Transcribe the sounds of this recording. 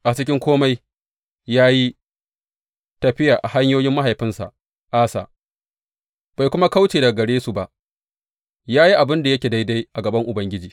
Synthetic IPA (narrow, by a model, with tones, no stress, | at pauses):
ʔa˨t͡ʃɪ˦k̬ʲɪ˦ŋkʷoː˦ma˦j | jaː˦ji˦ | tɐ˨ɸɪ˦jaː˨ʔa˨ɦa˦ɲjoː˦jɪ˦mːa˦ɦa˨jɸɪ˦nsa̰˨ | ʔaː˦sa̰˨ʔ | b̥a˨jkʷʊ˦ma˦ka˦wt͡ʃeː˨da˨ɡɐ˨ɽeː˦su˨ba˨ʔ | jaː˦ji˦ʔa˨bɪ˦nda˨jɐ˦kʲeː˨da˦jda˦jʔa˨ɡɐ˨bɐ˦ŋʔʊ˨bɐ˦ŋɡʲɪ˦d͡ʒiː˨